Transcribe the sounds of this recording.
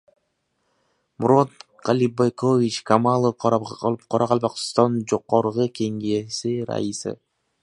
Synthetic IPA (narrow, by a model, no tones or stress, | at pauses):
muɾot̪ | qɑlʲibajkovʲit͡ʃkʰamalˠəqqʰɑɾɑqɑlˠbɑq̪t̪ond͡ʒoqːoɾʁɯkeŋɡesiɾa̰jisɯ̰